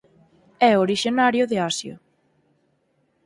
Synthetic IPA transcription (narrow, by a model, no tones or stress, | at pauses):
ɛoɾiʃonaɾjʊðɪasjʊ̰